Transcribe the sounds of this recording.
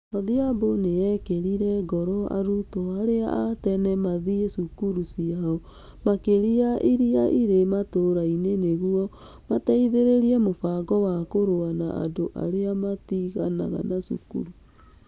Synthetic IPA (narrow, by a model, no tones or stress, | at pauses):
maðiaboneɛkeɾiɾɛɡɔɾɔa̰ɾutoaɾea̰atɛnɛmaðiesukuɾusiaɔ | makeɾiaʔiɾiaʔiɾematoɾaineneɣuɔ | mataiðeɾeɾiɛmofaɣɔwakoɾoana̰a̰doʔa̰ɾeamatiɣa̰na̰ɣa̰nasṵkṵɾu